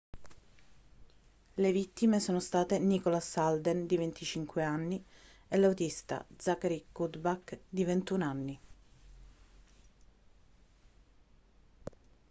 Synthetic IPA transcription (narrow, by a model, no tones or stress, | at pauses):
levit̪ːimesoːnost̪aːt̪enikolasald̪end̪ivent̪ʰit͡ʃiŋkweanːi | elawt̪ist̪a̰d̪zakaɾikud̪bakd̪ivent̪unanːi